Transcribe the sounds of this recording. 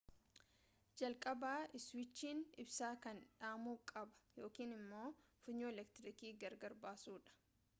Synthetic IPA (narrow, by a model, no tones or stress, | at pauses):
d͡ʒɐlkʼɐbaːɪswɪt͡ʃːiːnɪbsaːkɐnᶑaːmuːkʼɐbɐ̥jo̞ːkiːnɪmːo̞ːfʊɲːoːɛlɛk̚t̪ɪɾɪkiːɡɐɾɡɐɾbaːsuːᶑɐ̥